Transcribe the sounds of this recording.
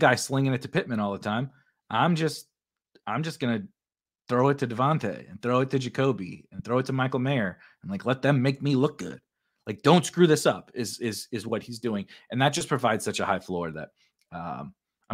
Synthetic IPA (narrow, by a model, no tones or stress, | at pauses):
ɡaɪslɪ̃ŋɪ̃nɨtʰɨpʰɪt̚mɨ̃ɾ̃ɔlˠðətʰãɪ̃m | ʔãɪ̃md͡ʒʌst̚ | ãɪ̃md͡ʒʌsɡ̥ʌnɨ | θɹoʊɨtʰɨdɨvɑ̃ntʰḛɪɨ̰̃nθɹoʊɨtʰɨd͡ʒɨkʰoʊbḭɨ̃nθɹoʊɨtʰəmaɪkl̩ˠmeɪə̃˞ | n̩laɪklɛt̪̚ðɨ̃mːeɪk̚milʊk̚ɡ̥ʊ̰d̥̚ | laɪk̚d̥õʊ̃ntskɹʉðɪsʌpɪzɪzɪzwʌt̚hizdʉɪ̃ŋʔɨ̃nðɨt̚d̥ʒ̥ʌspʰɹ̥ɨvaɪdz̥sʌt͡ʃɨhaɪflɔɹðɨ̰t̚ | ʌ̰̃m